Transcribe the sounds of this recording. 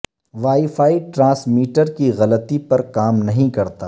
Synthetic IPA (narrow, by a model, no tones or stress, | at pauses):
ʋaːifaːiʈɾãːsmiːʈəɾkiɣɐlət̪ipɐɾkaːmnɐɦĩkɐɾt̪aː